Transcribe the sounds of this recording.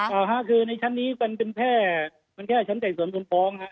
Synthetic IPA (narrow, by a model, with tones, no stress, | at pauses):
t̪aː˨˩ɦa˦˥ʔkʰɯː˧na˧jt͡ɕʰa˦˥nːiː˦˥ka˧npe˧npʰɛː˥˩ | ma˧nkʰɛː˥˩˨t͡ɕʰa˦˥nt͡ɕɛː˨˩ŋsu˩˦nmʰ˧nfʰɔː˦˥ŋha˦˥ʔ